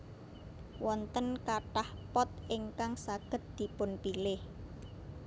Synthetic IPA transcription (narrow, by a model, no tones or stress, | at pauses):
wɔnt̪ənkaʈahpɔt̪̚ɪŋkaŋsaɡ̥ə̤t̪̚d̪̥i̤pʊnpilɪh